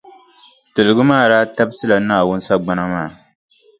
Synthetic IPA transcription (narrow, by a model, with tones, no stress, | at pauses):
tɨ˨lɨ˨ɡɨ˦maː˦˨ɾaː˦ta˦bsɨ˦la˨naː˦˨wʊ˦n˦sa˦ɡ͡ba˦na˦maː˦˨